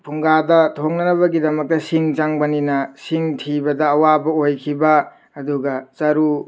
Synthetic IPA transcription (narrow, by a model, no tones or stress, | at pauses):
pʰuŋɡadɐtʰoknɐnɐβɐɡidɐmɐk̚tɐsiŋt͡ʃaŋbɐninɐsiŋtʰibɐdɐːwabɐojkʰibɐː | duɡɐt͡ʃɐɾu